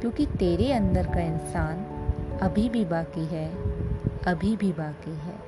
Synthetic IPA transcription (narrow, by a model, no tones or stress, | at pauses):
kjõːkit̪eːɾeɐ̃nd̪əɾkaɪnsaːnɐbʱibʱibaːkiɦɛː | ɐbʱibʱibaːkiɦɛ̰ː